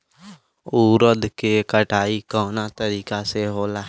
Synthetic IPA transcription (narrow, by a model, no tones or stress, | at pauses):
uːɾəd̪kekəʈaːikɔːnat̪əɾiːkaseɦoːlaː